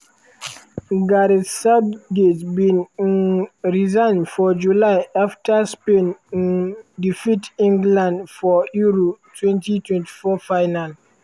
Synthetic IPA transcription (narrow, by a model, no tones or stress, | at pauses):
ɡaɾisadɡetbĩnnɹizãnfɔd͡ʒulaɪaftʰaspẽnndifitĩŋɡlãndfɔjuɾotʰwɛ̃ntitʰwɛ̃nti̥fɔfaɪnal